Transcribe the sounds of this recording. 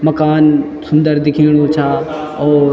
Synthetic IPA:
mɐkaːn | sʊ̃nd̪əɾd̪ɪkʰiːɽ̃ot͡ʃʰaː | ɔːɾ

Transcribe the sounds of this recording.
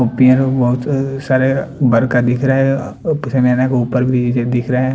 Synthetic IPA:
opijə̃ɾbɔɦʊt̪saːɾebɐɾkad̪ɪkʰɾaɦɛpɪsemeːnakeuːpəɾbʱied̪ɪkʰɾaɦɛ̃

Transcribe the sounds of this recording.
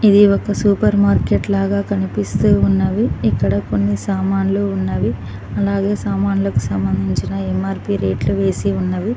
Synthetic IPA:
id̪iɔkɐsuːpɐɾmaːɾke̞ʈlaːɡaːkɐnipist̪uːunːɐʋiikːɐɽɐko̞nːisaːmaːnluːunːaːʋi | ɐlaːɡe̞ːsaːmaːnulɐku̥sɐmbɐnd̪ʱiɲt͡ʃinɐemaːɾpiːɾe̞ːʈluʋe̞ːsiunːɐʋi

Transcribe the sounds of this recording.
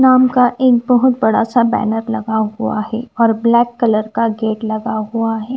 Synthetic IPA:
naːmkaʔeːk̚bɐɦʊt̪̚bɐɽasabɛ̰ːnəɾlɐɡaɦuaɦɛːɔːɾblɛːkːɐləɾkaɡeːʈlɐɡaɦuaɦɛː

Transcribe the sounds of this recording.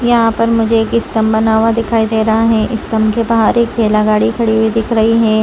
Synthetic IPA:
jɐɦãpɐɾmʊd͡ʒʱeːkɪst̪ɐmbɐnaːʋad̪ɪkʰaːid̪eːɾɐɦaɦɛ̃ʔɪst̪ɐmkebɐɦaːɾeːk̚d̪ʱeːlaɡaːɽikʰɐɽiwid̪ɪkʰɾɐɦiɦɛː

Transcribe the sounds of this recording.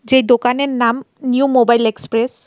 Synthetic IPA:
d͡ʒejd̪okaneɹnam | njumobajlekspɾes

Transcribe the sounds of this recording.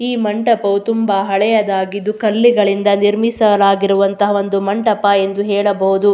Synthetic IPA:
iːmɐɳʈɐpɐʋut̪umbɐɦɐɭɛjɐd̪aːɡid̪ːukɐlːiɡɐɭind̪ɐniɾmisɐlaːɡiɾuʋɐnt̪ɐɦɐo̞nd̪umɐɳʈɐpɐe̞nd̪uɦɛːɭɐbɐɦud̪u

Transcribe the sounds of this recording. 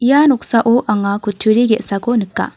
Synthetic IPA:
ijanɔksaʔoʔaŋakʰutʰːuɾiɡɛʔsakonɯkːa̰

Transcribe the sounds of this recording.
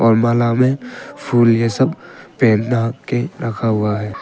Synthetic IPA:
ɔːɾmaːlamẽpʰuːljesəbpeːnnakːeɾəkʰaɦʊaɦɛː

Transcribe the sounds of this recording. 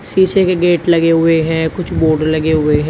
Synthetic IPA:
siːt͡ʃekeɡeːʈlɐɡeɦʊeɦɛ̃ːkʊt͡ʃʰboːɖlɐɡeɦʊeɦɛ̃

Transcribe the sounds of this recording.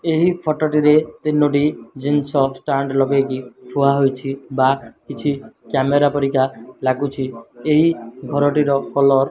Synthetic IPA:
eɦipʰɔʈɔʈiɾet̪inːoʈ̬id͡ʒinsɔsʈaɳɖlɔɡekipʰuaɦojt͡ʃʰibakit͡ʃʰikameɾapɔɾikalaɡut͡ʃʰieɦiɡʱɔɾɔʈiɾɔkɔlɔɾ

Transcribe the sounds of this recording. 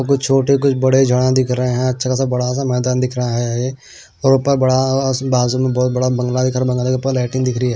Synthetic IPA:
kʊt͡ʃʰt͡ʃʰoːʈek̬ʊt͡ʃʰbəɽed͡ʒʱəɽãd̪ɪkʰɾəɦẽɦɛ̃ɐtːʃʰakasabɐɽas̬amɛːd̪aːnd̪ɪkʰɾaɦɛe | ɔːɾʊpəbəɽabaːzumẽbɔːt̪̚bɐɽabə̃ŋɡlad̪ɪkʰɾabə̃ŋɡːlekːpalɛːʈɪ̃ŋd̪ɪkʰɾiɦɛː

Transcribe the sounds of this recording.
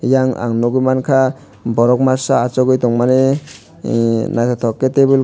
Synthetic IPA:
jaŋa̰ŋnɔɡumankʰa | bɔɾɔk̚masaːt͡ʃɔɡɯjt̪ɔŋmane | najt̪ʰat̪ʰɔkːetebɯl

